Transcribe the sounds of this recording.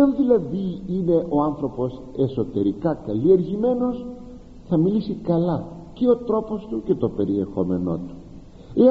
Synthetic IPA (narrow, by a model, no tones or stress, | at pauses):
ɐnðilɐðiine̞ʔo̞ɐnθɾo̞po̞s | e̞so̞t̪e̞ɾikɐkɐlie̞ɾʝime̞no̞s | θɐmilisikɐlɐ | ceo̞t̪ɾo̞po̞st̪uce̞t̪o̞pe̞ɾie̞xo̞me̞no̞̰t̪u̥ | e